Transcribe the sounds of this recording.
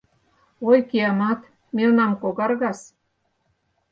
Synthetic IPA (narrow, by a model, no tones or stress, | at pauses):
ojkiɑmɑt̪ | melnɑmkoɣɑrɣɑs